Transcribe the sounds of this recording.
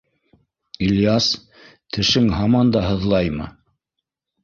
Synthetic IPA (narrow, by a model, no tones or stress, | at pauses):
ilʲjɑs | t̪ʰɘ̆ʃɘŋɦɑmɑnd̪ɑɦɤ̆ðlˠɑjmɤ̰